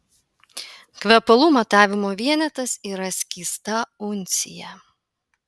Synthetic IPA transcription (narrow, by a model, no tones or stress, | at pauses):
kʋʲɛpɐlˠuːmɐt̪ɑːʋʲɪmoːʋʲiɛnʲɛt̪ɐsiːɾɐsʲkʲiːst̪ɐʊnʲˑsʲɪ̰jɛ